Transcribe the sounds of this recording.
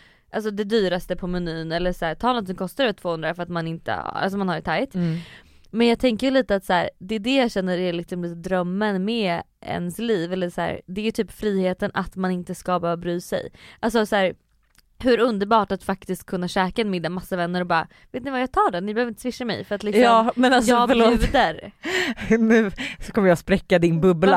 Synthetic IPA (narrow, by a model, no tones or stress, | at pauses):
ʔals̬ɔd̪ɛd̪yːɾast̪əpʰɔmɛnyːnɛlːəʂæːtʰɑːnɔnt̪ːɪŋkʰɔst̪aɾɛʈʰv̥oːhɵnd̪ɾafœɾat̪manɪnt̪ə̰a̰lsɔmanhaɖɛt̪ʰajt̪ | mɛnjɑːɡ̚t̪ʰɛŋkəjɵliːt̪əat̪sæːɾd̪ɛːd̪ɛjaɕɛnːəɾælɪksɔmliːt̪əd̪ɾœmːənmɛɛ̰nsliːvɛlːəʂæ̰ːɾd̪ɛːjɵt̪ʰyːpfɾiːheːt̪ənʔa̰t̪manɪnt̪əskabɑːɾabɾyːsɛ̰jʔals̬ɔsæːɾ | hɵɾɵnd̪əɾbɑːʈat̪fak̚t̪ɪst̪̚kʰɵnːaɕɛːkaɛnmɪd̪ːamasːavɛnːəɾɔbɑːɾa̰ | veːt̪nɪvajaɡt̪ʰɑːɖɛnɪbɛhøvɾɪnt̪əsvɪʂːamɛ̰jfœɾat̪lɪkɔɑmːmɛnasɑːfəoːʉːd̪əɾ | nʉːsɔkʰɔmːɾjɑːspɾɛkːad̪ɪnbɵbla